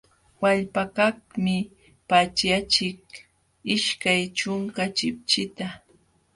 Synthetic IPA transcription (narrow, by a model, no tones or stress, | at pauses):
waʎpakakmɪ | pat͡ʃjat͡ʃɪk̚ | ɪʃkajt͡ʃʊŋkat͡ʃɪp̚t͡ʃɪt̪a